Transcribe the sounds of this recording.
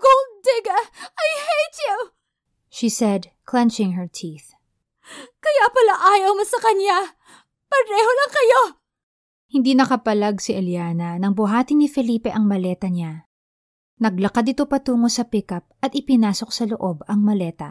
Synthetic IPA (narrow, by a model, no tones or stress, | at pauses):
ɡ̥old̪̚d̪ɪɡɐajhejt͡ʃju | ʃisɛd̪̚ | kʰlɛnt͡ʃɪŋɦɛɹt̪ʰiːθ | kɐjapɐlaʔaːjɐwmɐsɐkɐnja | pɐɾɛːholɐŋkɐjo | hɪnd̪iːnɐkɐpɐlaɡsɪʔɐljaːnɐnɐŋbʊɦaːt̪ɪnːɪfɛliːpɛʔɐŋmɐlɛːt̪ɐɲa | nɐɡ̚lɐkad̪ɪt̪o̞pɐt̪uːŋosɐpɪkɐp̚ɐt̪̚ɪpɪnaːso̞k̚sɐloʔo̞bɐŋmɐlɛːt̪ɐ̰